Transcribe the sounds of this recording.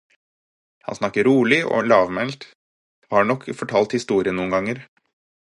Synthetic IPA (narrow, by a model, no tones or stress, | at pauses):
hɑ̰nsnɑkːəɾuːɭɪʔo̰ːlɑːʋmɛlt̪ | hɑːɳɔkːfɔʈʰɑːlt̪hɪst̪uːɾɪənuːnɡɑŋəɾ